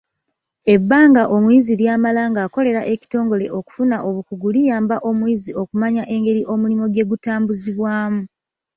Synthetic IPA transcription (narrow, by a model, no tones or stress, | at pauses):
e̞bːaːŋɡaʔo̞mwiziljaːmalaːŋɡaːko̞le̞ɾaʔe̞ci̥to̞ːŋɡo̞le̞ʔo̞ku̥funaʔo̞βukuɡulijaːmbaʔo̞mwiːzio̞kumaɲaʔe̞ŋɡe̞ɾiʔo̞mulimo̞ɡe̞ɡutaːmbuziβwaːmu